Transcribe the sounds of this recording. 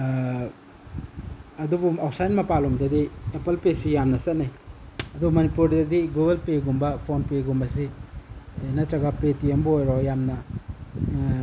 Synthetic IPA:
ɐdubumawpsajnmɐpalomdɐdiepɐlpesijamnɐsɐtniɐdumɐnipuɾdɐdiɡuɡɐlpeɡumbɐpʰonpeɡumbɐsi | nɐtɾɐɡapetiembojɾojamnɐ

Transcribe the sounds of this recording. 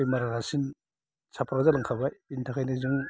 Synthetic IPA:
jmaɾaɾasin | sʰapʰɾazalaŋkʰabajbintʰakʰajnizuŋ

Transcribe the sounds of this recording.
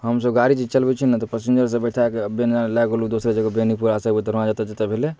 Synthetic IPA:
ɦəmsəbɡaɾit͡ʃit͡ʃəlbɛt͡ʃʰinat̪ɔpəsind͡ʒəɾsə̃bəʈʰakeəbjend͡ʒalɛɡolud̪osɾed͡ʒəɡəbenipuɾasəɡbɛt̪ɔɾoãd͡ʒat̪ed͡ʒat̪ebʱele

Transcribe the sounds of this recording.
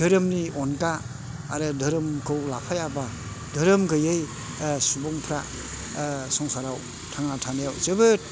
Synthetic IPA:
dɯɾɯmniɔnkaː | ɾɯdɯɾɯmkʰɯwlapʰajaba | dɯɾɯmɡɯjɯj | subɔŋpʰɾa | sɔŋsaɾaw | tʰaŋatʰanajawt͡ʃɯbɯ

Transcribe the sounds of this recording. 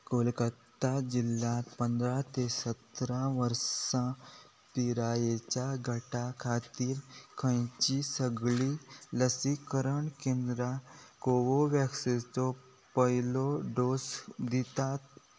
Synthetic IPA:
koːlkət̪ad͡ʒilːapə̃nd̪ɾat̪esət̪ɾãʋəɾsã | p̪iɾaːjet͡ʃaɡʱəʈakʰaːt̪iːɾkʰə̃jt͡ʃisəɡliləsikəɾəɳkẽːnd̪ɾakoːʋoʋakset̪o | pəiloɖoːsd̪it̪at̪

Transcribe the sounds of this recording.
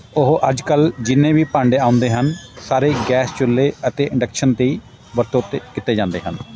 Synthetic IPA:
ʊɦʔəd͡ʒkəld͡ʒɪnːẽːʋiːpãɳɖeːãːʊ̃nd̪eːɦənsaːɾeːɡɛːst͡ʃʊlːeːət̪eːʔɪ̃ɳɖəkʃənt̪eiː | ʋəɾt̪oːt̪eːkɪt̪eːd͡ʒãːnd̪ḛːɦən

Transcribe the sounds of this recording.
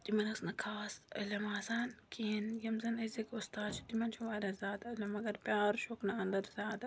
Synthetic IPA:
t̪imɐnɐsnɐkʰaːsɐ̰lɐmaːzaːnkiɦinjɐmzɐnɐzikʊst̪aːd̪t͡ʃʰu̥t̪imɐnt͡ʃʰuʋaːɾʲɐzʲjaːd̪ɐɐlʲɐmɐɡɐɾpʲjaːɾʃoknɐɐnd̪ɐɾzʲjaːd̪ɐ

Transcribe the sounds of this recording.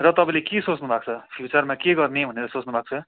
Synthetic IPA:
rʌt̪ʌpãĩlekesot͡snubʱak̚t͡sʰʌpʰjut͡sʌrmakeɡʌrnebʱʌneɾʌsot͡snubʱak̚t͡sʰʌ

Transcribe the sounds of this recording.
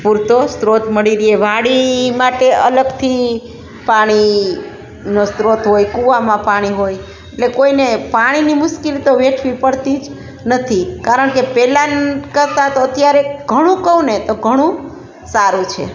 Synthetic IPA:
puɾt̪osɾot̪məɽiɾieʋaɽimaʈeələɡt̪ʰi | paɽ̃i | nosɾot̪ɦojkuʋamãpaɽ̃iɦoj | eʈlekoinepaɽ̃inimʊʃkilt̪oʋeʈʰʋipəɽt̪id͡ʒ | nət̪ʰikaɾəɳkepɛlankəɾt̪at̪oət̪jaɾeɡ̥ʱəɽ̃ũkəʋũnet̪oɡʱəɽ̃ũ | saɾũt͡ʃʰḛ

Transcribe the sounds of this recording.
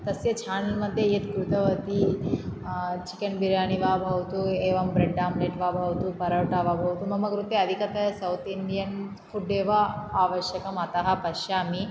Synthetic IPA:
t̪ɐsjɐt͡ʃʰaːnɐlmɐd̪ʱjɐjet̪kɾut̪ɐʋɐt̪i | t͡ʃi̥kɐnbiɾjaːniʋaːbʱɐʋɐt̪ueːʋɐmbɾeɖɖaːmleːʈʋaːbʱɐʋɐt̪upɐɾɐwʈaːʋaːbʱɐʋɐt̪umɐmɐɡɾut̪eɐd̪ʱikɐt̪ɐsɐwt̪ind̪ijɐn | kuɖːeːʋɐaːʋɐʃjɐkɐmɐt̪ɐɦɐpɐʃjaːmi

